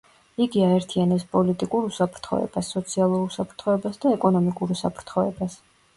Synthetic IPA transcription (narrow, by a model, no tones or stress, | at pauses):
iɡiaɛɾt̪ʰianɛpspʼɔlit̪ʼikʼuɾusapʰɾt̪ʰχɔ̰ɛ̰b̥asːɔt̪sʰialˠuɾusapʰɾt̪ʰχɔɛbasd̪aɛkʼɔnɔmikʼuɾusa̰pʰɾt̪ʰχɔɛ̰bas